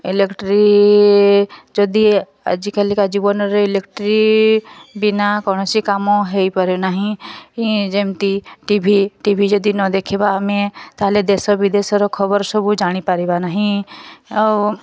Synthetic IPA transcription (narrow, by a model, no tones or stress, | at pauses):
ɪlekʈɾi | d͡ʒod̪i | ə̰d͡ʒikəlikad͡ʒibonɔɾeɪlekʈɾi | bɪnakɔːnɔsikamõɦeipəɾenaɦĩid͡ʒemt̪iʈibʱiʈibʱid͡ʒəd̪inɔd̪eːkʰebamẽt̪aɦled̪esɔbʱid̪eːsɾɔkʰɔbəɾsəbud͡ʒaːɽ̃ipaɾibanaɦĩ | ɔː